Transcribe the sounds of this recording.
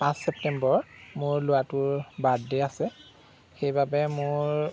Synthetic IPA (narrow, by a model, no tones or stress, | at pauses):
pãsːɛp̚tɛmbɔɹmʊɹlʊwatʊɹbadːɛasɛ | xejbabɛmʊɹ